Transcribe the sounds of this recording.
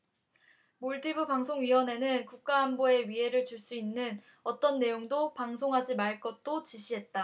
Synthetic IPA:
moɭtʰibɯpaŋsʰoŋɥiwʌne̞nɯnkuk̚k͈aɦːmboe̞ɥiɦe̞ɾɯɭt͡ɕuɭs͈uinːɯn | ʌt͈ʌnːe̞joŋdopaŋsʰoŋɦad͡ʑimaɭk͈ʌt̚t͈ot͡ɕiɕʰiɦe̞t̚t͈a

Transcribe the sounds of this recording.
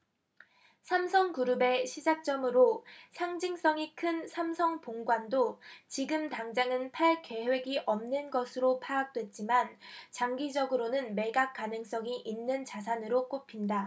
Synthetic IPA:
sʰamsʰʌŋkuɾɯbe̞ɕʰid͡ʑak̚t͡ɕ͈ʌmɯɾosʰaŋd͡ʑiŋs͈ʌŋikʰɯnsʰamsʰʌŋpoŋɡwandot͡ɕiɡɯmtaŋd͡ʑaŋɯnpʰaɭke̞we̞ɡiʔʌmnɯnɡʌsʰɯɾopʰaɡak̚t͈we̞t̚t͡ɕ͈imant͡ɕaŋɡid͡ʑʌɡɯɾonɯnme̞ɡak̚k͈anɯŋs͈ʌŋiʔinːɯnt͡ɕas̬ʰanɯɾok͈opʰinda

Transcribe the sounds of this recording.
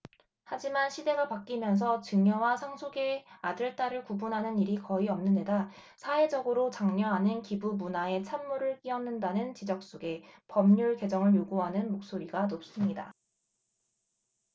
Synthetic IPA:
had͡ʑimanɕʰide̞ɡapak͈imjʌns̬ʰʌt͡ɕɯŋʌwasʰaŋsʰoɡe̞adɯɭt͈aɾɯɭkubunɦanɯniɾikʌiʌmnɯnde̞da | sʰae̞d͡ʑʌɡɯɾot͡ɕaŋɲʌɦanɯnkibumunae̞t͡ɕʰamːuɾɯɭk͈iʌnːɯndanɯnt͡ɕid͡ʑʌk̚s͈oɡe̞pʌmɲuɭke̞d͡ʑʌŋɯɭjoɡuɦanɯnmok̚s͈oɾiɡanop̚s͈ɯmɲida̰

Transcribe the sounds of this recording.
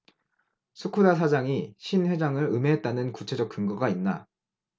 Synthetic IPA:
sʰukʰudasʰad͡ʑaŋiɕʰinwe̞d͡ʑaŋɯɾɯme̞ɦet̚t͈anɯnkut͡ɕʰe̞d͡ʑʌk̚k͈ɯŋɡʌɡainːa

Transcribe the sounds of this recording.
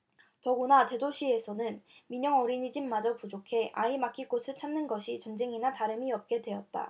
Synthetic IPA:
tʌɡonate̞doɕʰie̞sʰʌnɯnmiɲʌŋʌɾiɲid͡ʑimːad͡ʑʌpud͡ʑokʰe̞ʔaimakʰik͈osʰɯɭt͡ɕʰamnɯnɡʌɕʰit͡ɕʌnd͡ʑe̞ŋinataɾɯmiʌp̚k͈e̞dwe̞ʌt̚t͈a̰

